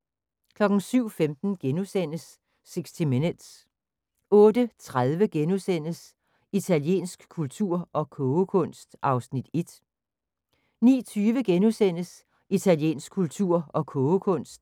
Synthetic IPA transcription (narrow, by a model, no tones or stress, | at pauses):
kʰlɒ̽ɡ̥n̩syʊ̰femd̥n̩ɡ̥enusen̰əsː | eɡ̥sdʰimened̥s | ɔ̽ːd̥ət͡sʰʁaðˠʋəɡ̥enusen̰əs | it͡sʰælje̝̰ːnsɡ̥kʰːult͡sʰuɐ̰ʔɒ̽kʰɔʊkʰɔ̽n̰sd̥ʔɑ̈ʊsnid̥e̝d̥ | nḭːt͡sʰyːʋəɡ̥enusen̰əs | it͡sʰæljḛːnsɡ̥̚kʰult͡sʰuɐ̰ɒ̽kʰɔʊkʰɔ̽n̰sd̥